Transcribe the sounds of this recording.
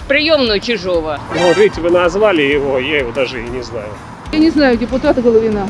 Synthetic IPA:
pɾʲɪjomnʊjʊt͡ɕɪʐovənovʲitʲvɨnɐzvalʲɪjɪvojajɪvod̪aʐɨnʲɪzna̰jʊ | janʲɪznajʊdʲɪpʊt̪at̪ɨɡəlˠəvʲɪna

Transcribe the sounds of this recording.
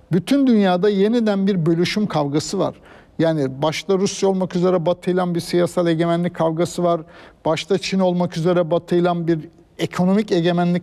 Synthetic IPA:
byt̪ʰynd̪ynjaːd̪aje̞nid̪ænbiɾbø̞lʲyʃymkʰavɡasɯva̰ɾ̥ | jaːnibaʃt̪ˠaɾusjao̞lˠmakyze̞ɾɛbat̪ʰɯjlˠanbiɾsijasalʲˠe̞ɟe̞mænlʲickʰːavɡasɯvaɾb̥aʃt̪ʰat͡ʃʰino̞lˠmakyze̞ɾɛbat̪ʰɯjlˠanbiɾ | ekʰo̞no̞mice̞ɟe̞mænlʲi

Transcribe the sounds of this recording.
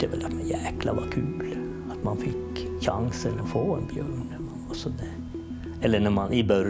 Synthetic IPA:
əʋɛ̰lɑt̪mɛnjæːklɑ̰ʋɑkʰʉːl | ɑt̪mɑnfɪkːɕɑŋsənɔfoːɛnbjøːɳɛmɑnɑsɔd̪ɛ | ɛlːənɛɾmɑnɪbœɾ

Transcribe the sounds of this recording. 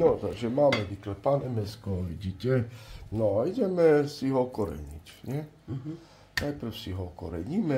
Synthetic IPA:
nɔt̪aɡʒɛmaːmɛʋiklɛpanɛmɛskɔʋiɟitɛnɔaiɟɛmɛsiɦɔkɔɾɛ̰ɲḭcɲɛ | najpr̩fsiɦɔkɔ̰ɾɛ̰ɲimɛ

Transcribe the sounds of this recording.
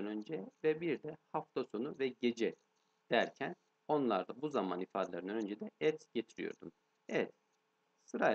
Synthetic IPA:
nø̞nd͡ʒɛvɛbiɾd̪ɛhaft̪ʰaso̞nuvɛɟe̞d͡ʒɛ | d̪̥æɾcʰæn | o̞nlˠaɾd̪abuzamanifaːd̪elʲˠaɾɯnænø̞nd͡ʒɛd̪ɛɛt̪ɟe̞t̪ʰiɾijo̰ɾd̪um | evɛt̪ | sɯɾa

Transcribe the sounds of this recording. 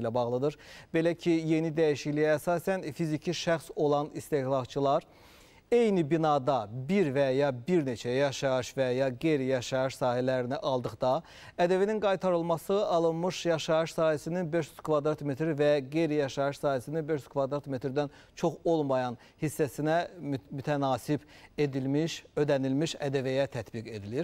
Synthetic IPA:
læbɑɣlˠɯd̪ɯɾbe̞læcʰije̞nid̪æjiʃiclijːsɑːsænfizicʰiʃæxso̞lˠɑnist̪e̞hlˠɑt͡ʃʰɯlˠɑɾ | e̞jnibinɑd̪ɑbiɾvæjɑbiɾne̞t͡ʃʰæjɑʃɑɯʃvæjɑɡejɾijɑʃɑɯʃsɑːɦælæɾiniʔɑlˠd̪ɯχd̪ɑ | æd̪ævininɡɑjt̪ʰɑɾɯlˠmɑsɯɑlˠɯnmɯʃjɑʃɑɯʃsɑːhæsininbeʃjy̥z̥kʰvɑd̪ɾɑt̪me̞t̪ɾvæɡejɾijɑʃɑɯʃsɑːhæsininbeʃyz̥kʰvɑd̪ɾat̪me̞t̪ɾd̪æn | t͡ʃʰo̞χo̞lˠmɑjɑn | hisːæsinæmyt̪ʰænɑːsibe̞d̪ilmiʃø̞d̪ænilmiʃæ̰d̪ævæjæt̪ʰæt̪biɡe̞d̪iliɾ

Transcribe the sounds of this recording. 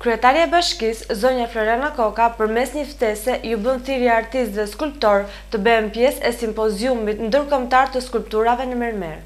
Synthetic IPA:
kɾyɛt̪aɾiaɛbaʃkiszɔɲaflɔɾjanakɔkapəɾmɛsɲəft̪ɛsɛjubənθiɾiaaɾt̪ist̪ðɛskulp̚t̪ɔɾ | t̪əbɛɛmpjɛsɛsimpɔziumit̪nd̪əɾkɔmt̪aɾt̪əskulp̚t̪uɾavɛnəmɛɾmɛ̰ɾ

